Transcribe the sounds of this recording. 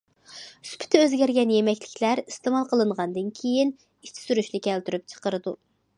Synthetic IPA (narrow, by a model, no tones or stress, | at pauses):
yspʰɪ̥t̪ʰɛøzɡʲɛɾɡʲɛnjemɛkʲlɪkʲlæɾist̪ɨmɑlˠqʰəlˠɨɴʁɑnd̪ɨnkʲʰejin | it͡ʃ̪ʰɪ̥syɾyʃnɪkʲʰɛlt̪yɾyp̚t͡ʃʰə̥qəɾɨd̪u